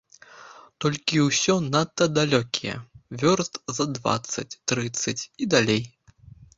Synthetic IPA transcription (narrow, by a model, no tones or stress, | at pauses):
t̪ɔlʲkʲiwsʲɔnat̪ːɐd̪alʲɔkʲijɛ̰vʲɔrst̪zɐd̪va̰t̪sːɐt͡sʲt̪ɾɨt̪sːɐt͡sʲid̪alʲej